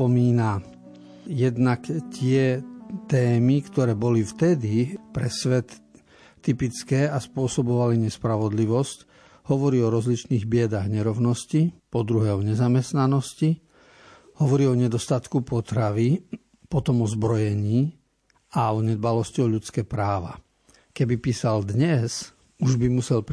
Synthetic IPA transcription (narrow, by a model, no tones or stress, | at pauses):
pɔmiːna | jɛd̪nakt̪ɪɛt̪ɛːmikt̪ɔɾɛːbɔlift̪ɛd̪ipɾɛsʋɛt̪ː | ipit͡skɛːaspʊɔsɔbɔʋaliɲɛspɾaʋɔd̪liʋɔsc | hɔʋɔɾiːɔɾɔzlit͡ʃniːɣbɪɛd̪aɣɲɛɾɔʊnɔscipɔd̪ɾuɦɛːɔɲɛzamɛst̪nanɔsci | hɔʋɔɾiːɔɲɛd̪ɔst̪at̪kupɔt̪ɾaʋi | pɔt̪ɔmɔzbɾɔjɛɲiː | aɔɲɛd̪̚balɔscɔʊʎut͡skɛːpɾaːʋa̰ | kɛbipiːsald̪ɲɛz | uʒbimusɛl